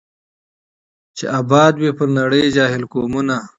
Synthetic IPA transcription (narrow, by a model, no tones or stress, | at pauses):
t͡ʃḛʔabɑːd̪wepəɾnɐɽəjd͡ʒaːɦɪlkoːmuna